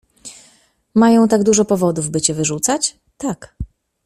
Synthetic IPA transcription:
majɔ̃w̃t̪aɡd̪uʐɔpɔvɔd̪uvbɘt͡ɕɛvɘʐut̪sat͡ɕ | t̪ak

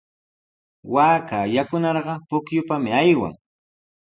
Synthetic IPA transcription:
waːkajakʊnɑɾɢɑpʊkjʊpamɪajwa̰ŋ

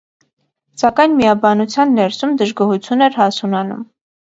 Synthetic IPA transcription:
sɑkɑjnmijɑbɑnut͡sʰjɑnːɛɾsumd̪əʒɡɔɦut͡sʰjunɛɾhɑsunɑnṵm

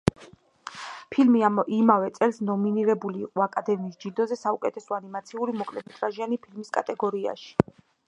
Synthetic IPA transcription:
pʰilmiimavɛt̪sʼɛlsnɔminiɾɛbuliːqʼɔakʼad̪ɛmiːsd͡ʒid̪ɔzɛsaukʼɛt̪ʰɛsɔanimat̪sʰiuɾimɔkʼlɛmɛt̪ʼɾaʒianipʰilmiskʼat̪ʼɛɡɔɾia̰ʃi̥

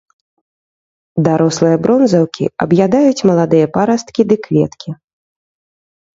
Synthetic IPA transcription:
d̪aɾɔslˠɨjɐbɾɔnzɐwkʲḭɐbjad̪ajut͡sʲmɐlˠad̪ɨjɐpaɾɐst̪kʲid̪ɨklʲɛ̰t̪kʲi

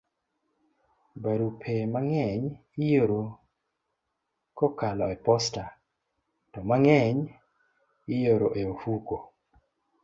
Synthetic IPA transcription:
baɾupʰemaŋɛɲ | ijoɾo | kokalɔɛpɔsta | tɔmaŋɛɲ | ɪjoɾoʔeofuko

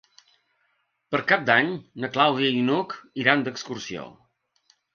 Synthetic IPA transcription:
pəɾkap̚d̪aɲnəklawðiəinukiɾand̪əkskursio̰

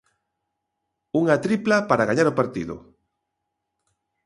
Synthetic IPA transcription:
uŋat̪ɾiplapaɾaɣaɲaɾopaɾt̪iðʊ̰

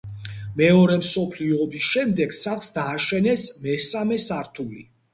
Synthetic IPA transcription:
mɛɔɾɛmsɔpʰliɔbisʃɛmd̪ɛɡ̥saχsd̪aːʃɛnɛsmɛsamɛsaɾt̪ʰulḭ

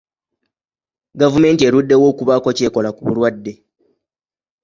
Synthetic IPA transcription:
ɡavume̞ːntie̞ɾudːe̞wo̞ːkuβako̞ce̞ːko̞lakuβṵlwadːe̞

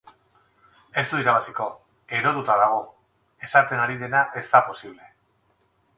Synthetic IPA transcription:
e̞st̪uiɾaβasiko̞ | e̞ɾo̞ðut̪aðaɣ̞o̞ | e̞sat̪e̞naɾiðe̞naʔe̞zt̪apo̞siβle̞

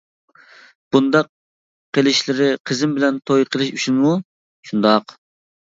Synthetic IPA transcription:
b̥und̪ɑq̚ | qʰelˠɪʃlɪɾɪqʰəzɪmbɪlɛnt̪ʰojqʰəlˠɨʃyt͡ʃʰinmu | ʃund̪ɑq

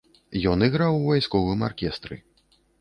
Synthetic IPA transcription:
jɔnɨɣɾawvajskɔvɨmarkʲɛst̪ɾɨ̰

